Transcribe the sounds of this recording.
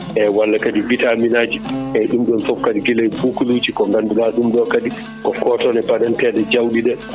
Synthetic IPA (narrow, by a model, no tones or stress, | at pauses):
ʔɛwalːakadivitaminaːd͡ʒiʔɛɗumɗɔnfɔp̚kːadiɡilajbukuluːd͡ʒikɔŋɡandulaɗumɗɔkadi | kɔkɔːtɔnɛbadɛntɛːɗɛd͡ʒawɗiɗɛ